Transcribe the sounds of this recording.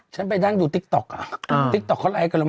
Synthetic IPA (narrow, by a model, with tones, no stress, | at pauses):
t͡ɕʰa˦˥np̬a˧jdaː˧˥˩ŋjuː˨˩t̪i˦k̚t̪ɔ˨˩k̚a˨˩˨t̪i˦k̚t̪ɔ˨˩kʰːɔ˧˥nʔaː˧˩jka˧˩lu˧˦m